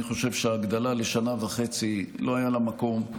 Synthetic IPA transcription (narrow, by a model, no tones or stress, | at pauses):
niχo̞ʃe̞vʃeaːɡd̪alale̞ʃanavaχe̞t͡silo̞ajalamako̞m